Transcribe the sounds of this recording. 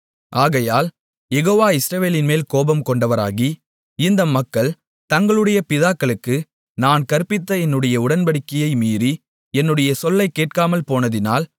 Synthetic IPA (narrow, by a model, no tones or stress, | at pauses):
ʔaːɣɐjaːl | jɛɣoːʋaːɪsɾɐʋeːlɪnmeːlkoːbɐmkɔɳɖɐʋɐɾa̰ːɣi | ɪnd̪ɐmːɐkːɐɭ | t̪ɐŋɡɐɭɯɽɐjɐpɪðaːkːɐɭɯkːɯ | naːnkɐɾpːɪt̪ːɐɛnːɯɽɐjɐʊɽɐnbɐɽɪkːɐjɐɪmiːɾi | ɛnːɯɽɐjɐsɔlːɐɪkːeːʈ̚kaːmɐlpoːnɐðɪna̰ːl